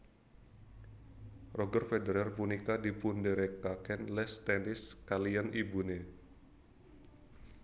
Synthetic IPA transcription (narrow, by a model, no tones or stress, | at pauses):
rʔɔɡərfedeɾɛrpunikadipundeɾɛkakɛnlɛst̪ɛnɪskalianibune